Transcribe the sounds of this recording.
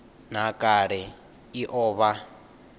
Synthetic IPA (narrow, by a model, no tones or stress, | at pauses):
n̤akʼaɺɛ | iʔɔːβa